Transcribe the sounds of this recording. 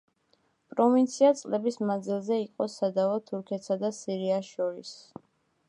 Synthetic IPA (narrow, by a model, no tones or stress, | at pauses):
pʼɾɔvint̪sʰiat̪sʼlɛbismand̪zilˠzɛiqʼɔsad̪avɔt̪ʰuɾkʰɛt̪sad̪asiɾiaʃɔɾis